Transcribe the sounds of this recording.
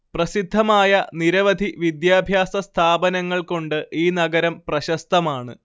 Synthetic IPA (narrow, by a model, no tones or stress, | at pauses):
prɐsid̪ʱːɐmaːjɐniɾɐʋɐd̪ʱiʋid̪jaːbʱjaːsɐst̪ʰaːbɐnɐŋːɐɭko̞ɳɖɨʔiːnɐɡɐɾɐmprɐɕɐst̪ʰɐmaːɳɨ̰